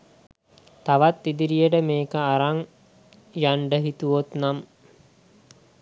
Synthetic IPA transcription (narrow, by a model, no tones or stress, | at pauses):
t̪aʋat̪ːid̪iɾijəʈəmeːkəaɾaŋ | jaɳɖəɦit̪uʋot̪nam